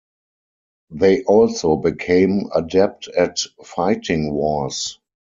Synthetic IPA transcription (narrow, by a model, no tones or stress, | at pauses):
ðeɪʔɔlsoʊbikʰẽɪ̃mə̰dɛp̚tʰɛtfaɪtʰɪ̃ŋwɔs